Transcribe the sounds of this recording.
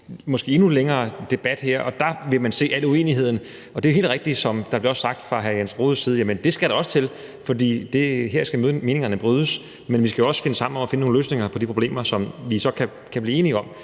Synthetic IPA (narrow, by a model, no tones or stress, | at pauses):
mɒ̽sɡ̥e̝̰ːe̝nuleŋɐːd̥e̝b̥æd̥heɐ̰ʔɒ̽d̥ɑ̈ʋe̝mænse̝̰ːæl̰ue̝̰ːniɦe̝ð̞̰ˠn̩ | ɒ̽deɐjhe̝̰ldʁeɡ̥̚d̥i̥sɒ̽md̥ɑb̥leɐɒ̽sːɑ̈ɡ̥̚d̥fʁɑ̈ɦæjænsʁo̝ːð̞̩ˠsiːð̞̩ˠjæmənd̥e̝sɡ̥æɾ̥ɑ̈ɒ̽st͡sʰe̝l | fɒ̽d̥ḭːd̥e̝ɦeɐ̰sɡ̥æmøme̝ːne̝ŋɐnəb̥ʁyð̞ˠəs | menʋisɡ̥æjo̝ɒ̽sfe̝nəsɑ̈m̰n̩ɒ̽mæfe̝nənoːn̩əlø̰ːsne̝ŋɐpʰɒ̽d̥ipʰʁo̝b̥lḛːmɐsɒ̽mʋisɒ̽kʰæ | kʰæb̥liːe̝ːniɒ̽m̰